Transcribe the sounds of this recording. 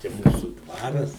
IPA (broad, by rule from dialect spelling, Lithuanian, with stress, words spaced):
t͡ʃʲɛ ˈmuːsʊ ˈdʋɑːrɐs